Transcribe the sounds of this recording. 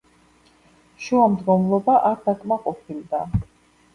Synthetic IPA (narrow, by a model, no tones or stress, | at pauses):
ʃuamd̪ɡɔmlˠɔbaʔaɾd̪akʼmaqʼɔpʰilˠd̪a